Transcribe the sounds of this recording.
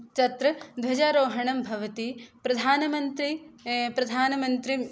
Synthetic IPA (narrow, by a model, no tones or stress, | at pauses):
t̪ɐt̪ɾɐd̪ʋɐd͡ʒaːɾoːɦɐɳɐmbʱɐʋɐt̪ipɾɐd̪ʱaːnɐmɐnt̪ɾipɾɐd̪ʱaːnɐmɐnt̪ɾi